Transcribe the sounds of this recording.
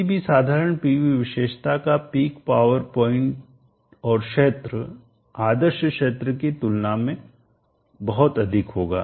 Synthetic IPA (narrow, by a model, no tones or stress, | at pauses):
ibʱisaːd̪ʱaːɾəɳ̃piːʋiʋɪʃeːʃt̪ʰakapiːkpaːʋəɾpɔːɪ̃ɳʈ | ɔːɾʃeːt̪ɾə | aːd̪əɾʃəkʃeːt̪ɾəkit̪ʊlnamẽ | bɐɦʊt̪ɐd̪ʱɪkɦoːɡa̰ː